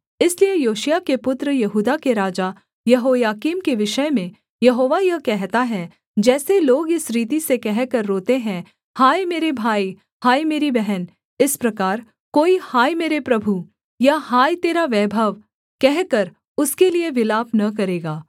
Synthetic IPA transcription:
ɪsliejoːʃjakepʊt̪ɾəjɐɦuːd̪akeɾaːd͡ʒa | jɐɦoːjaːkiːmkeʋɪʃəmẽ | jɐɦoːʋajɐɦkɛɦt̪aɦɛ | d͡ʒɛːseloːɡɪsɾiːt̪̬isekɛɦkɐɾːoːt̪eɦɛ̃ | haːimeːɾebʱaːi | haːimeːɾibɛɦɛn | ɪspɾɐkaːɾ | koːihaːimeːɾepɾɐbʱu | jahaːit̪eːɾaʋɛːbʱəʋ | kɛɦkɐɾ | ʊskelieʋɪlaːpnɐk̬ɐɾeːɡaː

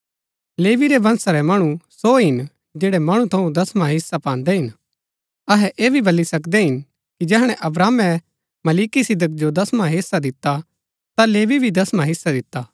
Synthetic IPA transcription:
leːʋiɾebɐ̃nsaɾɛmɐɽ̃ũsoːɦɪn | d͡ʒeːɽɛmɐɽ̃ũt̪ʰɐũd̪ɐsmaɦɪsːapãːnd̪ɛɦɪn | ɐɦɛʔeːbʱibɐlisɐkd̪ɛɦɪn | kid͡ʒɛːɦɽ̃ɛ̃ʔɐbɾaːmɛ | mɐliːkisɪd̪ək̚d͡ʒod̪ɐsmaɦɪsːad̪ɪt̪ːa | t̪aleːʋibʱid̪ɐsmãɦɪsːad̪ɪt̪ːaː

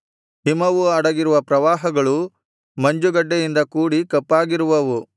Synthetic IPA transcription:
himɐʋuɐɽɐɡiɾuʋɐpɾɐʋaːɦɐɡɐɭu | mɐɲd͡ʒuɡɐɖːejind̪ɐkuːɽikɐpːaːɡiɾuʋɐʋu

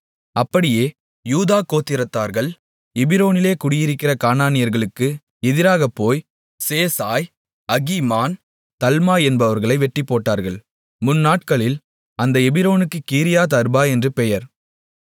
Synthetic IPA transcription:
ɐpːɐɽɪjeː | juːðaːkoːt̪ːɪɾɐt̪ːaːɾɣɐɭ | ɛbɪɾoːnɪleːkʊɽɪjɪɾɪkːɪrɐkaːnaːnɪjɐɾɣɐɭɯkːɯ | ɛðɪɾaːɣɐpːoːj | seːsaːj | ɐɣimaːn | t̪ɐlmaːɛnbɐʋɐɾɣɐɭɐɪʋɛʈːɪpːoːʈːaːɾɣɐɭ | mʊnːaːʈ̚kɐɭɪl | ɐnd̪ɐɛbɪɾoːnɯkːɯkːiːɾɪjaːt̪ɐɾbaːɛndrɯpɛjɐɾ

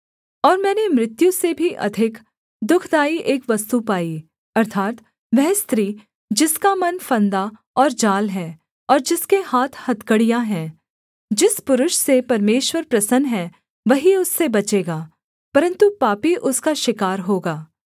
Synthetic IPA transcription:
ɔːɾmɛ̃ːnemɾɪt̪jũsebʱiʔɐ̰d̪ʱɪk | d̪ʊkʰd̪aːiʔeːkʋɐst̪upaːi | ɐɾt̪ʰaːt̪ | ʋɛɦst̪ɾiː | d͡ʒɪskamɐnfɐ̃nd̪a | ɔːɾd͡ʒaːlɦɛː | ɔːɾd͡ʒɪskehaːt̪ʰhɐt̪kəɽijaɦɛ̃ː | d͡ʒɪspʊɾʊʃsepɐɾmeːʃwəɾpɾɐsənɦɛ | ʋɐɦiʊsːebɐt͡ʃeːɡaː | pɐɾə̃nt̪upaːpiʔʊskaʃɪkaːɾɦoːɡaː

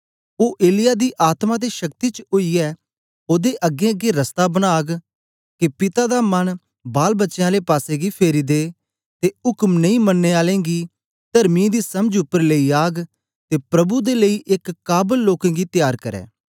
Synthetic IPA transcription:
oːʔeːlɪjaːd̪iːʔaːt̪mãd̪eʃɐk̚t̪iːt͡ʃəʊiɛː | oːd̪eʔɐɡẽəɡeɾəst̪abənaːɡ | kepɪt̪ad̪amɐn | baːlbətːʃjãːlepaːseːɡipʰeːɾiːd̪eː | t̪eʊkmnə̃ĩmənːeːaːlẽːɡiː | t̪ɐɾmĩːd̪iːsɐməd͡ʒʊpːəɾləiaːɡ | t̪eːpɾɐbud̪eləiːʔekːaːbəlːoːkãːɡit̪jaːɾkɐɾɛ̰ː

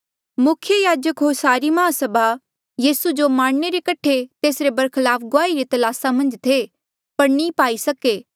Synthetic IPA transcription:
mʊkʰjəjaːd͡ʒəkɦoːɾsaːɾimɐɦãsɐbʱa | jiːsud͡ʒomãːɽneɾekɐʈʰet̪eːsɾebɐɾkʰɪlaːpʰɡʊaːiɾit̪ɐlaːsamɐ̃nd͡ʒt̪ʰe | pɐɾnipaːisɐkeː

